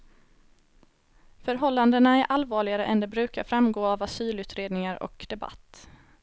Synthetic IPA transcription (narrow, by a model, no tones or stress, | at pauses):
fœɾɦɔlːand̪ənaæɾʔalvɑːɭɪɡaɾəʔɛnd̪ɛbɾʉ̟ːkaɾfɾamɡoːavasyːlʉ̟ːt̪ɾeːd̪nɪŋaɾʔɔ̰kd̪̥ɛba̰t̪ː